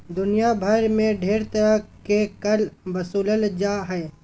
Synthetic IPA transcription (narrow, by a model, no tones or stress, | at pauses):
d̪ʊnijabʱɐɾmẽɖʱeːɾt̪ɐɾəɦkekɐlʋɐsuːləld͡ʒaːɦɛː